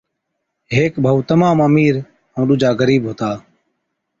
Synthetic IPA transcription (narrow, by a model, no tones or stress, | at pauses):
ɦeːkbʱəut̪əmaːməmiːɾ | ʊ̃ːɗʊd͡ʒʱaːɡəɾiːbɦoːt̪aː